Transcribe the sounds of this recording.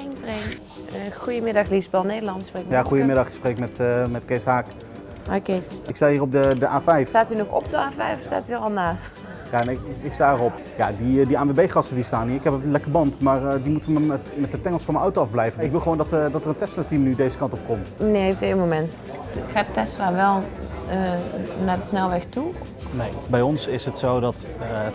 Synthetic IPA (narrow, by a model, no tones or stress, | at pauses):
ɪŋtren | xujəmɪdɑxlisbɛlˠnejdəlɑnsprek̚jaχujəmɪdɑχɪksprekmɛtmɛtkejsɦaːk | akesɪkstaiːrɔp̚dədəʔaːfɛjfstaːtynɔxɔ̰pdəaːfɛjfsta̰ːtyɔlˠnaːst | jaɛnɪkɪkstaːərɔp | ja̰didiaːʋebejχɑstədistaːniɪkɦɛpəlɛkərbɑntmaːɹdimutəmɛtdətɛŋəlˠsfɔnmənɑwtowɑvblɛjvəɪkʋɪlˠχəʋoːwndɑtdɑtərəntɛstlatimnydejzəkɑntɔp̚kɔmtməneːɦeftenmomɛnt | xaːdətɛstlaːʋɛlˠ | naːdəsnɛlˠʋɛxtu | nejbɛjɔnsɪsɦətsowdɑt | ə